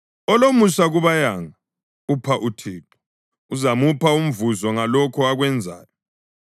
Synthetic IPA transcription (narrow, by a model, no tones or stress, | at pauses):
ɔlomusaɣuβajaŋa | upʰaʔutʰiːǁɔ̥ | uzamupʰaum̩vuzɔŋalɔkʰɔaɣwɛnd͡zʱa̰ːjɔ